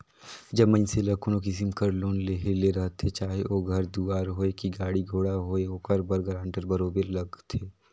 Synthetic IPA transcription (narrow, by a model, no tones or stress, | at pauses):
d͡ʒɐbmɐ̃ɲselɐkunõkɪsɪmkəɾloːnleɦeleɾɐɦt̪ʰːet͡ʃaːɦeoːɡʱɐɾd̪uːaːɾɦoːekiɡaːɽiɡʱoːɽaɦoːeɦoːkəɾbɐɾɡɐɾãːɳʈəɾbɐɾoːbeɾlɐɡt̪ʰeː